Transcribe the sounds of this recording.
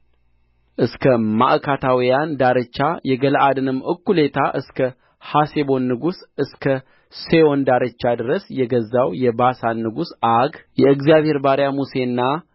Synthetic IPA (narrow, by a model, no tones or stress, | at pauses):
ʔɨskʰəma̰ʔkʰat̪ʰawijand̪aɾət͡ʃːajɛɡəlʔad̪ɨnɨmːʔɨkːule̞t̪ʰaʔɨskʰə | hasebo̞nːɨɡusɨskʰə | se̞o̞nd̪aɾət͡ʃːad̪ɨɾəsjɛɡəzːawjɛbasanːɨɡusaɡjɛɨɡzjaβhe̞ɾbaɾjamuse̞nːa